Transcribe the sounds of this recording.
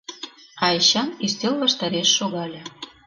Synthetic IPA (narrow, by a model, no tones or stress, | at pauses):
ɑeɕɑnist̪ʲelvɑʃt̪ɑɾeʃːoɣɑlʲɤ̆